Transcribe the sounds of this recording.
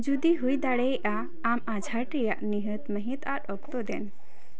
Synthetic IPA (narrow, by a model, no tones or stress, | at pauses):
d͡ʒud̪iɦujd̪aɽɛʔaː | mad͡ʒʱaʈɾija̰ʔniɦət̪məɦĩt̪aɾɔk̚t̪ɔd̪ɛn